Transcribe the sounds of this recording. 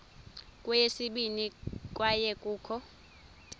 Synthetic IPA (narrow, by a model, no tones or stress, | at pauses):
kʼwujesiɓinik̬ʼwajɛkʼuːkʰɔ